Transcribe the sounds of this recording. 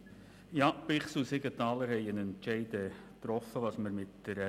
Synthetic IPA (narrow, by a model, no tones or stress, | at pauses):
jɑːbɪχsusɪɡət̪ɑːləɾhɛɪənɛntʃɛɪdə | t̪rɔfəʋɑsməɾmɪtːəɾ